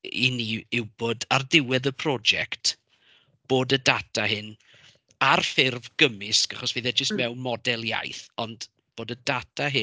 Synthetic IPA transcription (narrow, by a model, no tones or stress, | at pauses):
iniɪwbodardɪwɛðəpʰr̥ɔd͡ʒɛkt | b̥oːdədatʰaɦɨn | arfɪrvɡ̥əmɪskaχɔsviðɛd͡ʒəstmɛwnmɔdɛlˠja̰jθɔnd | b̥oːdədatʰaɦɨ